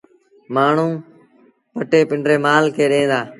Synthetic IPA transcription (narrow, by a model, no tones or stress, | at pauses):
maːɳ̤ũː | pəʈeːpɪɳɖɾeːmaːlkʰeːɗẽːnd̪aː